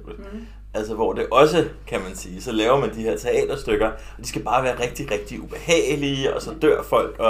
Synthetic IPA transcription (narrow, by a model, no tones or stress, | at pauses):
b̥l̩ | ʔæl̰s̬əʋɒd̥e̝ʔɒ̽s̬əkʰæmænsiːsɒ̽lɛːʊɐmænd̥ihe̝ɐ̰t͡sʰeɛ̰ːd̥ɐsd̥øɡ̥ɐ | ɒ̽d̥isɡ̥æb̥ɑ̈ːʋæːɐʁeɡ̥̚d̥iʁeɡ̥̚d̥iub̥e̝hɛ̰ːliːɒ̽sɒ̽d̥øɐ̰fɒ̽l̰ɡ̥ɒ̽